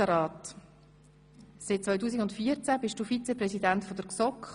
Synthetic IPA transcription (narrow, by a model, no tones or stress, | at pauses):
əɾɑːt | sɪt̚t͡svɔʏtuːs̬iɡʊntfiːəɾt͡sæbɪʃtd̥uːfit͡sɛprɛsidæntfɔd̪əɾksɔkχ